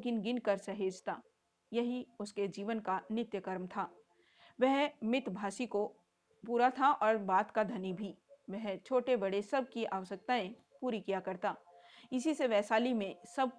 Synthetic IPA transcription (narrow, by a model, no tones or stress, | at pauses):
kɪnɡɪnkɐɾsɐɦeːd͡ʒt̪aː | jɐɦiʊsked͡ʒiːʋənkanɪt̪jəkəɾmt̪ʰaː | ʋɛɦmɪt̪bʱaːsiko | puːɾat̪ʰaʔɔːɾbaːt̪kad̪ʱɐnibʱiʋɛɦt͡ʃʰoːʈebɐɽesɐb̚ʱkia̰ːʋəʃək̚t̪aẽ | puːɾikijakɐɾt̪aː | ɪsiseʋɛːsaːlimẽsɐb̚